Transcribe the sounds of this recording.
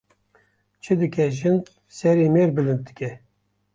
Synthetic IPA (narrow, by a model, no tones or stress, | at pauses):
t͡ʃʰɨd̪ɨkʰɛʒɨn | sɛɾeːmeːɾbɨlɨnt̪̚d̪ɨ̥kʲɛ